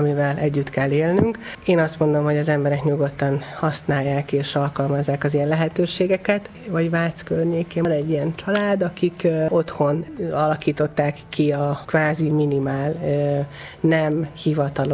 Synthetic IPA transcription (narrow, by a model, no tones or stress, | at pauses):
mivɛlʔɛɟːyt̪kɛlːeːlnyŋk | eːnɒst̪mo̞nd̪o̞mɦo̞ɟɒzɛmbɛɾɛkɲuɡo̞t̪ːɒnhɒsnaːjːaːkeːʃɒlkɒlmɒzːaːkɒzijɛnlɛɦɛt̪øːʃeːɡɛkɛt̪ | vɒɟvaːt̪skørɲeːkeːnɛɟːijɛnt͡ʃɒlaːd̪ɒkiko̞t̪ho̞nɒlɒkiːt̪o̞t̪ːaːkːiɒkʋaːziminimaːl | nɛmhivɒt̪ɒlo